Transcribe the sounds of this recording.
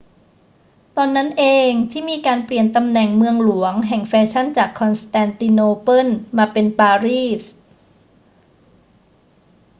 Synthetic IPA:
t̪ɔː˧nːa˦˥nʔeː˧ŋt̪ʰiː˥˩miː˧kaː˧npli˨˩ənt̪a˧mnɛ˨˩ŋmɯ˧əŋlu˩˦əŋɦɛ˨˩ŋfɛː˧t͡ɕʰa˥˩nt͡ɕaː˨˩kʰːɔ˧nst̪ɛː˧nt̪i˧noː˧pɤ˥˩nmaː˧pe˧npaː˧ɾiː˥˩s

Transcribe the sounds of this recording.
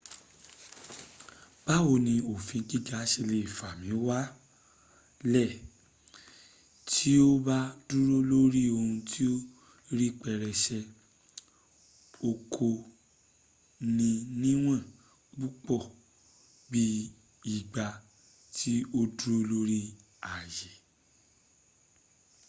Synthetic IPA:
b̥a˦o˧nĩ˧o˨fĩ˨˧ki˦ɡa˨˦ʃe˧le˨fa˨mĩ˨˦wa˦ | lɛ˦˨ | tʰi˦o˦ba˦du˦ɾo˦lo˦ɾi˦o˧hũ˧tʰi˦o˦ | ɾi˦k͡pɛ˦˧˨ɾɛ˧˨ʃɛ˧ | o˧kʰo˧ | nĩ˧nĩ˦w̃ã˦˨ | k͡pu˦k͡pɔ˦˨ | bi˦ | i˦˨ɡ͡ba˧ | tʰi˦o˦du˦ɾo˦lo˦ɾi˦ | a˨je˨

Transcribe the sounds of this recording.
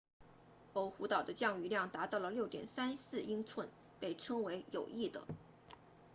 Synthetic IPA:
o˧˥ʊxu˧˥t̪ɑ˨˩ʊd̪ə˦t͡ɕjɑ˥˧ŋy˧˥ljɑ˥˩ŋt̪a˧˥t̪ɑ˥˩ʊlə˩ljo˥˩ʊt̪jɛ̰˨˩nsa˥nsɹ̩˥˩i˥ŋt͡sʰwə˥˧n | pe˥˩ɪʈ͡ʂʰɤ˥ŋwe˧˥ɪjo˨˩ʊi˥˩d̪ə̰˩

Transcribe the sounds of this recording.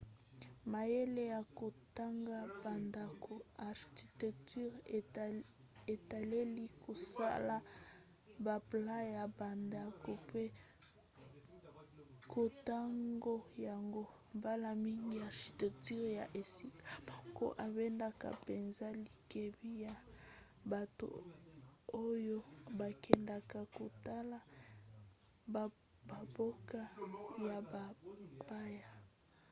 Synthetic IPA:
ma˨je˦le˦ja˨ko˨ta˦ŋɡa˦ba˨nda˨ko˨a˨ʁʃi̥˨ti˨tɛ˨k̚ty˦ʁ | e˨ta˨le˦li˦kʰo˨sa̰˦la˦ | ba˨pla˦ja˨ba˨nda˨ko˨pe˦ | kʰo˨ta˦ŋɡo˦ja˨ŋɡo˦ | mba˦la˨mi˦ŋɡi˦ja˨ʃi˨tɛ˨k̚ty˦ʁja˨ʔe˨si˦ka˨mɔ˨ko̰˦ʔa˨bɛ˦nda˨ka̰˨pe˨nza˦li˨ke˨bi˦ja˨ | ba˨to̰˨ | o˦jo˦ba˨kʰɛ˨nda˨ka˨ko˨ta˦la˨ | ba˨bo˦ka˦ja˨ba˨pa˦ja˨

